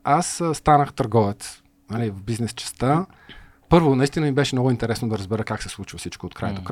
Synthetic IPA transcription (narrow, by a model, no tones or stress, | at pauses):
asst̪anəxt̪ɐɾɡɔvɛt̪s | nɐlivvbiznɛst͡ʃɛ̥st̪ə | pɤɾvonɐist̪inəmibɛʃɛnɔɡʊint̪ɛɾɛsnod̪ɐɾəzbɛɾəkaksɛslˠut͡ʃvəfsit͡ʃkoot̪kɾa̰jət̪ok